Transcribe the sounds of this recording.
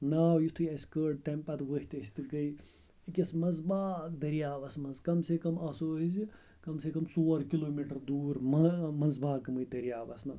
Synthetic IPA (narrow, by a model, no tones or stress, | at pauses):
naːwjit̪ʰujɐskəːɖ̚ʈempɐt̪ʋəɦit̪ɐsʲt̪ɨɡɐj | ikʲɐsmɐzbaːd̪ɐɾjaːʋɐsmɐnzkɐmsekɐmɐsoːɦizi | kɐmsekɐmsoːɾkiloːmiʈɐɾd̪uːɾmɐmɐnzbaːkɐmɨjd̪ɐɾijaːʋɐ̰smɐnz